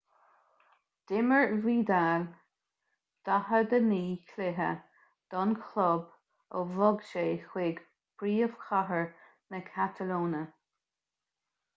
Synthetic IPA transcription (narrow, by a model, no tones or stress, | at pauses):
d̪̥ɪməɹviːd̪al | d̪̥aɦəd̪əniːkʰlɪɦə̰ | d̪̥ɔnkʰlɔb | ɔvɔɡʃeːxweːɡ | b̥ɾiːəv̥xʰaɦəɹ | nəkʰat̪ʰəloːnə